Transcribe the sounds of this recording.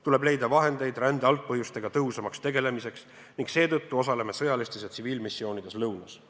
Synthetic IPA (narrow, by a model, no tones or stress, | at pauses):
t̪ule̞ble̞jd̪ɑvɑɦe̞nd̪e̞jd̪ɾænd̪̥eɑlt̪̚pɤɦjust̪e̞ɡ̥ɑt̪ɤɦusɑmɑkst̪e̞ɡe̞le̞mise̞ks | niŋkse̞ːt̪ɤt̪ːuo̞s̬ɑle̞me̞sɤ̞jɑlist̪esjet̪siviːlmisːio̞ːnid̪e̞slɤwnɑs